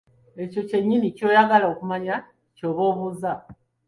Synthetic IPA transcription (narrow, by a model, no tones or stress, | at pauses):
e̞co̞ce̞ɲːinico̞ːjaɡalaokumaɲa | co̞ːβoːβuːza